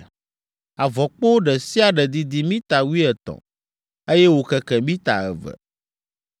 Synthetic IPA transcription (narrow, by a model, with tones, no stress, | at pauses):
a˨vɔ˨k͡po˦ɖɛ˨si˦a˨ɖɛ˨d̪i˨d̪i˦mĩ˦t̪a˨wu˦i˦ɛ˨t̪ɔ̰̃˨ | e˦jɛ˦wo˨kɛ˨kɛ˨mĩ˦t̪a̰˨ɛ̰˨vɛ̰˨